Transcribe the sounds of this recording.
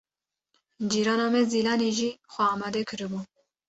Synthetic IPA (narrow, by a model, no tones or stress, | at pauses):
d͡ʒiːɾɑːnɑːmɛzilɑːneʒiːxʷɛɑːmɑd̪ɛkʰɨɾɨbu